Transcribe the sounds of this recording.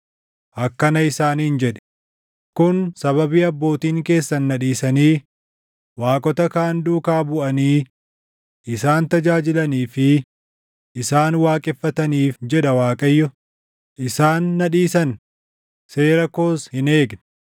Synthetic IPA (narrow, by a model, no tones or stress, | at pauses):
ʔɐkːɐnɐɪsaːnhɪnd͡ʒɛᶑɛ̥ | kʊnsɐβɐbiːɐbːo̞ːt̪iːŋke̞ːsːɐnːɐᶑiːsɐniː | waːkʼɔt̪ɐkaːnd̪uːkaːbʊʔɐniː | ʔɪsaːnt̪ɐd͡ʒaːd͡ʒɪlɐniːfɪ | ʔɪsaːnwaːkʼɪfːɐt̪ɐniːfd͡ʒɛᶑɐwaːkʼɐjːɔ | ʔɪsaːnːɐᶑiːsɐn | se̞ːɾɐko̞ːshɪne̞ːɡn